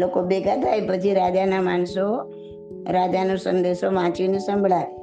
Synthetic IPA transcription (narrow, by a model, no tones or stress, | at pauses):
lokobeɡʱat̪ʰajpət͡ʃʰiɾad͡ʒanamanso | ɾad͡ʒanosənd̪eʃomãt͡ʃinesə̃mbʱɭaʋ